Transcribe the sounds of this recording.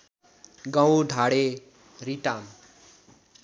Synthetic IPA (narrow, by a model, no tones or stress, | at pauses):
ɡãw̃ɖʱaɽe | riʈam